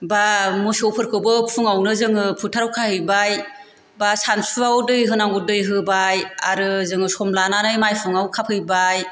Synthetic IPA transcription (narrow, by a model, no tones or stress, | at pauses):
bamɔsiowpʰɯɾkʰɯwbɯpʰuŋawnɯzɯŋɯpʰutʰaɾawkʰahɯjbaj | basansuawdɯjɦɯnaŋɡudɯjɦɯbaja̰ɾɯzɯŋɯsɔmlananɯjmajpʰɯŋawkʰapʰɯjbaj